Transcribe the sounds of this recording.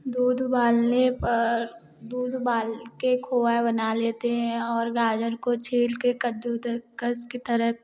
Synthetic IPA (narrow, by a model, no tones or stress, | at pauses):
d̪uːd̪baːlnepɐɾ | d̪uːd̪ʱbaːlkekʰoːʋabənaleːt̪eɦɛ̃ɔːɾɡaːd͡ʒəɾkot͡ʃʰeːlkekəd̪d̪kəsket̪əɾəɦ